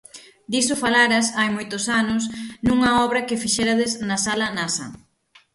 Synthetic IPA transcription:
d̪isʊfalaɾɐsajmojt̪ʊsanʊsnuŋɐɔβɾɐkɪfiʃɛɾɐðɪznɐsalɐnasɐ̰

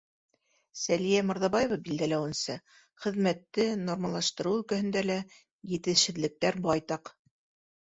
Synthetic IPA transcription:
sælijæmŏɾðɑbɑjevɑbild̪ælæwɘ̆nsɘ | χɘ̆ðmæt̪ːɘnormɑlˠɑʃt̪ɤ̆ɾɤɵ̆lkæ̆hɵ̆nd̪ælæ | jɘ̆t̪ɘ̆ʃɘ̆ðlɘ̆k̚t̪æɾbɑjt̪ɑq

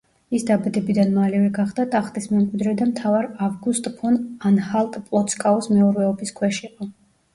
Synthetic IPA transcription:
isd̪abad̪ɛbid̪anmalɛvɛɡaχd̪at̪ʼaχt̪ʼismɛmkʼwid̪ɾɛd̪amt̪ʰavaɾavɡust̪ʼpʰɔnanhalˠt̪ʼpʼlˠɔt̪skʼaɔsmɛɔɾvɛɔbiskʰwɛʃiqʼɔ

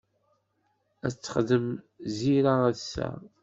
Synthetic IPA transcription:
æt͡sːə̥χðəm | ziɾaæðsæ̰

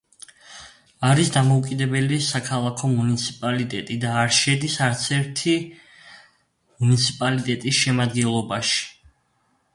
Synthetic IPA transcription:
aɾisd̪amɔukʼid̪ɛbɛlisakʰalˠakʰɔmunit̪sʰipʼalit̪ʼɛt̪ʼid̪aːɾʃɛd̪isaɾt̪sʰɛɾt̪ʰi | munit̪sʰipʼalit̪ʼɛt̪ʼisʃɛmad̪ɡɛnlˠɔbaʃi̥

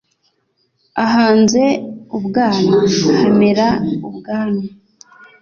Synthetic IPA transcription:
aɦaːnze̞ubɡaːnahemeɾaubɡaːni

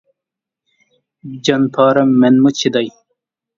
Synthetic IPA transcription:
d͡ʑɐnpʰaːɾɐmːenmut͡ɕʰid̪ɐj

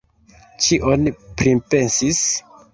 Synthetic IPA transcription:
t͡ʃiʔonipɾimpe̞nsis

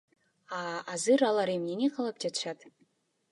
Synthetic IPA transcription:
aːzɨɾalˠaɾemnʲenʲeqʰɑlˠap̚d͡ʒat̪ʃat̪

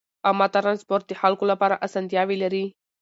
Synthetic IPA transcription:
amːat̪aɾanspoɾt̪̚ːiħalkulɐpaɾaʔɐsɐnd̪ijaʋiləɾi

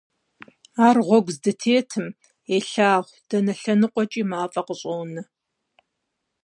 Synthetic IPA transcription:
aːrʁʷɔɡʷzdɨtʰeːtʰɨm | eːɬaːʁʷd̥ɐnɐɬɐnɨqʷʼɔt͡ʃʼiːmaːfʼɐqəɕʼownɨ

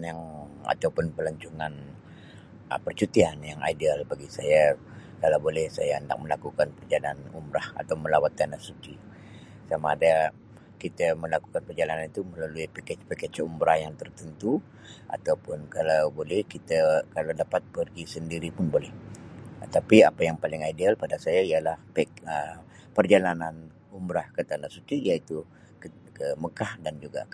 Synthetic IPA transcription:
njaŋa̰t̪awpʊnpəlaɲt͡ʃuŋan | pərt͡ʃut̪ianjaŋa̰idialbaɡisaja | kalawbolɛhsajaənda̰k̚məlakukanpərd͡ʒalanṵmbɾaha̰t̪awməlawat̪̚kanasut͡ʃi | samaːda | kit̪aməlaku̥kanpərd͡ʒalananit̪uməlaluipeket͡ʃpeket͡ʃumbɾahjaŋt̪ərt̪ənt̪u | a̰t̪awpʊnkalawbolɛhkit̪akalawdapat̪̚pərɡisəndiɾipʊnbolɛh | t̪apiapajaŋpalɪŋajdalpadasajaijalahpɛə | pərd͡ʒalanan | umbɾahkat̪anasut͡ʃidiait̪u | kə | kəməkahdand͡ʒuɡa̰

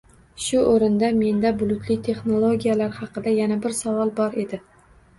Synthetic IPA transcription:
ʃʊʔoɾɪnd̪ame̞nd̪abʊlˠʊt̪ʰlɪt̪ʰe̞χno̞lˠoɡʲijalaɾhɑqɨd̪ajanabɪɾsavɒlˠbɒɾe̞d̪ɪ

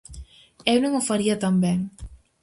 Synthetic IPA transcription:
ewnõŋofaɾiɐt̪ambeŋ

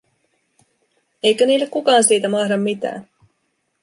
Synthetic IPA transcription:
ejkøniːlːekkukɑːnsiːt̪æmɑhdɑmːit̪æ̰ːn

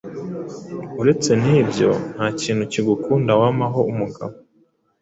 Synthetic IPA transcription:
uɾe̞t͡se̞niːbɟo̞̰n̥haːciːn̥huciɡukuːndawamaɦo̞umuɡa̰βo

